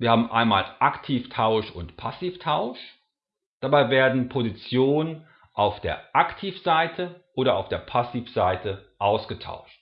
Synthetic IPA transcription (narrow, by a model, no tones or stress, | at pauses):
v̥iːɐhaːbm̩ʔa̰ɪnma̰ːlʔaktʰiːftʰaʊʃʊntpʰasiːftʰaʊʃ | d̥abaɪveːɐdn̩pʰozit͡sjoːnən | ʔaʊfd̥eːɐʔaktʰiːfz̥aɪtʰəʔoːɾɐaʊfd̥eːɐpʰasiːfz̥aɪtʰəʔaʊsɡ̥ətʰa̰ʊʃt